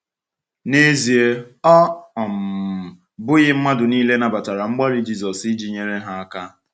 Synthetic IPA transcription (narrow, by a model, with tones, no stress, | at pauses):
ne˦zi˨e˦ɔ˦ɔ˨m̩˨ | bʊ˦ɣɪ˦m̩˦ma˦dʊ˨niː˦le˦na˨ba˨ta˨ɾa˨ŋ͡m̩˦ɡ͡ba˦ɾi˦d͡ʒi˦zɔ˨sɪ˦d͡ʒi˨ɲe˨ɾe˦ɦa˦a˦ka˦